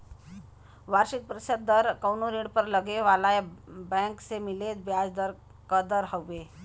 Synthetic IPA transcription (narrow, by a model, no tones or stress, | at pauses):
ʋaɾʂit̪̚pɾəsəd̪̚d̪əɾkəwnoɾiɽpəɾləɡeʋalajbɛ̃ksemilet̪bjad͡zd̪əɾ | kəd̪əɾɦəwʋe